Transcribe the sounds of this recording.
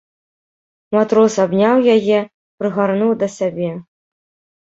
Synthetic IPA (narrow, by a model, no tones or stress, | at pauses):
mat̪ɾɔsabnʲawjajɛ | pɾɨɣarnuwd̪ɐsʲabʲɛ